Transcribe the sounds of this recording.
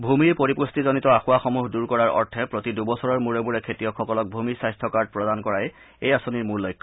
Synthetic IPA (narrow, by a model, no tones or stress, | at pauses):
bʱumiɹpoɹipustizonitɔaxʊwaxɔmuɦduɹkɔɹaɹɔ̰ɹtʰɛpɹot̪idubɔsʰɔɹɔɹmuɹɛbuɹɛkʰetijɔkxɔkɔlɔk̚bʱumisajstʰɔkaɹd̚pɹɔdankɔɹaj | ejasoniɹmuɹlɔjkʰːɔ̥